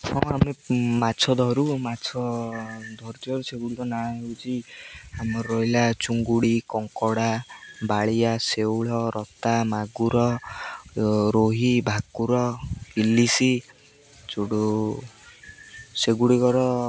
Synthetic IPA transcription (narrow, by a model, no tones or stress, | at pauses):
hɔ̃amemat͡ʃʰɔd̪ʱɔɾumat͡ʃʰɔd̪ʱɔɾt̪iɔɾuseɡuɽikɔnaɦeut͡ʃʰiamɔɾɔɦilat͡ʃuŋɡuɽikɔŋkɔɽabaɭijasewɭɔɾʔɔt̪amaɡuɾɔ | ɾoɦibʱakuɾɔilisi | t͡ʃuɽo | seɡuɽikɔɾɔ